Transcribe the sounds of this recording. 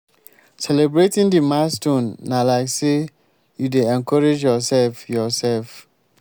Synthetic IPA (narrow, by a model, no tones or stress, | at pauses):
sɛlɛbɹetĩndimastɔ̃nːalaɪkse | judeɛ̃nkʰɔɹed͡ʒjɔsɛlfjɔsɛlf